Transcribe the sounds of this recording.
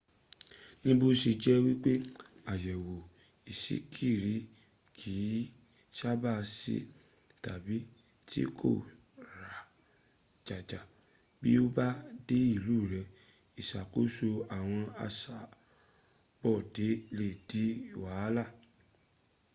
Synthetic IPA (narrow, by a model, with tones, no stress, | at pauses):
nĩ˦bo˧si˧d͡ʒɛ˦wi˦k͡pe˦ | a˨jɛ˨wo˨ | i˨sḭ˨˦kʰi˦˨ɾi˨˦ | kʰi˨˦ | ʃa˦ba˦˨sḭ˦ | ta˨bi˨˦ | tʰḭ˦kʰo̰˦˨ | ɾa˨ | d͡ʒa˨d͡ʒa˨ | bḭ˦o˦ba˦de˦i˦˨luː˦˨ɾɛ˧ | i˨ʃa˨ko˨˦so˧a˨w̃ɔ̃˧a̰˧sa˨ | bɔ˦˨de˨˦le˨di˨˦wa˨˦la˦˨